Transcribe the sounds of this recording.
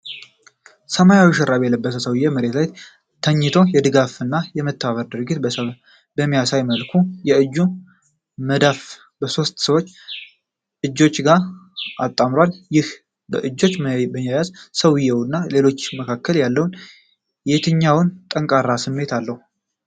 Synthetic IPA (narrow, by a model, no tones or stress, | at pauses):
səmajawɛʃɛɾaβjɛləbːəsəsəwɪjːɛməɾe̞t̪lajt̪ | t̪ʰəɲːɪt̪ʰo̞jɛd̪ɨɡafɨnːajɛmət̪ʰːaβəɾd̪ɨɾɨɡɪt̪ə | bəmːijasajməlkʰujɛɨd͡ʒːu | məd̪af | bəso̞st̪səwot͡ʃː | ʔɨd͡ʒːo̞t͡ʃːɡaɾʔat̪ʼːamɾwaljɪh | bəʔɨd͡ʒːo̞t͡ʃːbəmjajazsəwɪjːɛwnːale̞lo̞t͡ʃːməkʰakːəljalːəwn | jet̪ʰɨɲːawnt̪ʼəŋkʼaɾːasɨmːe̞t̪ʰalːəhu